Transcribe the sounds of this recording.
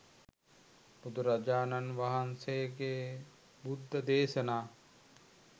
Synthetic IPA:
bud̪ʱuɾɐd͡ʒaːnɐnʋɐɦɐnsejɡeː | bud̪ʱːɐd̪eːʃɐnaː

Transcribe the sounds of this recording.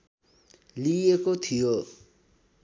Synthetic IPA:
liekot̪ʰijo

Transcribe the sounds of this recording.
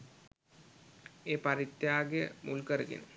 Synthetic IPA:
eːpaɾit̪ːjaːɡejə̰mulkəɾəɡḛnə

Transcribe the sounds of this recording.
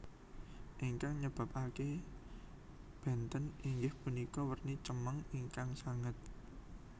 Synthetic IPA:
ʔiŋkaŋɲəb̥ä̤pake | b̥ɛ̤nt̪əniŋɡɪhpunikɔwərnit͡ʃəməŋiŋkaŋsaŋət̪̚

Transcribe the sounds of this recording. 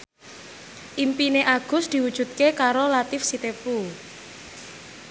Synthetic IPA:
ʔimpineʔaɡ̥ʊ̤sd̪̥i̤wud̥ʒ̥ṳt̪̚kekaɾolat̪ɪfsit̪epu

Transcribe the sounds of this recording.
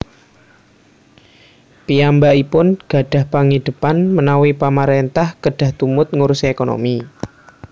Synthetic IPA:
piambaʔipʊnɡ̥ä̤ɖ̥a̤hpaŋid̪̥ə̤panmənawipamaɾent̪ahkəɖ̥ä̤ht̪umʊt̪̚ŋuɾusekono̰mi

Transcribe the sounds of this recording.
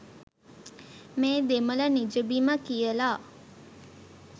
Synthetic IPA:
meːd̪emələnid͡ʒəbiməkijəlaː

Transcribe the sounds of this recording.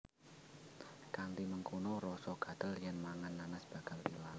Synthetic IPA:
kand̪iməŋkunoɾɔsɔɡ̥a̤d̪̥ə̤ljanmaŋanːanəsb̥aɡ̥aldilal

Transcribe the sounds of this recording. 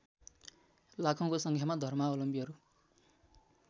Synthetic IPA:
lakʰʌw̃kosʌŋkʰjamad̪ʱʌrmaolʌmpiɦʌɾu

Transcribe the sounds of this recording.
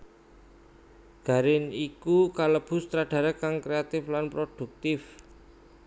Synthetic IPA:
ɡ̥a̤ɾɪnikukaləb̥ʊ̤st̪ɾaɖ̥a̤ɾəkaŋkɾeat̪ɪflanpɾod̥ṳk̚t̪ɪf

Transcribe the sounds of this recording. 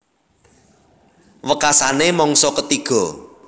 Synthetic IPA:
wəkasanemɔŋsɔkət̪iɡ̥ɔ̤

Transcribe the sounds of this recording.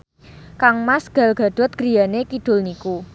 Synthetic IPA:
kaŋmasɡ̥a̤lɡ̥a̤ɖ̪̥ɔ̤t̪̚ɡ̥ɾi̤janekid̥ʊ̤lniku

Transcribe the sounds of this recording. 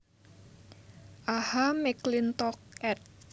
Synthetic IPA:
ʔahamiklint̪ɔk̚ɛt̪̚

